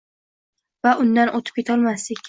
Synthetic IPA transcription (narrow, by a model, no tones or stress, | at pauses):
vaʔʊnd̪anʔot̪ʰɪ̥pkʲʰe̞t̪ʰɒlˠmast̪ɪkʲ